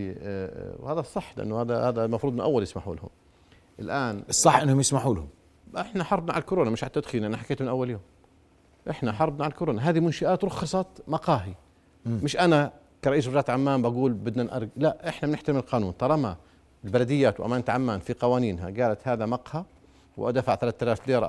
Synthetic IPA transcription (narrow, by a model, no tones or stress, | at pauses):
whaːðasˤːɑħːlʔɪ̰nːhaːðahaːðalmɑfɾud̪ˤnʔawːaljɪsmaħṵːlhʊ̰m | ʔɪlʔaːnsˤːɑħʔɪnːhʊmjɪsmaħuːlhʊm | ɪħnaħɑɾˤbnaʕa̰lkʊɾoːnamɪʃʕalt̪ːad̪xiːnʔanaħakeːt̪mɪnʔawːaljoːm | ʔɪħnaħɑɾˤbnaʕalkʊɾoːnaɦaːðimʊnʃaʔaːt̪ɾˤʊxːɑsˤɑt̪mɑqɑːɦi | mɪʃʔana | kaɾˤɑʔiːsɾɑʒaːt̪ʕamːaːmbaɡuːlbɪd̪nanʔɑ̰ɾˤɡlaʔʔɪħnamɪnɪħt̪amɪlqɑːnuːnt̪ˤɑɾˤɑma | ɪlbalad̪ɪjːaːt̪wʔa̰maːnt̪ʕamːaːnfiqɑwaːniːnɦa̰ɡaːlat̪haːðamɑqha | wʔad̪aːfaʕθalaːθt̪ːalaːfliːɾˤɑ